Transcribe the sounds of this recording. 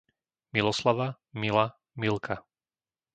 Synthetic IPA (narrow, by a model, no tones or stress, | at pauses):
milɔslaʋa | mila | milkʰa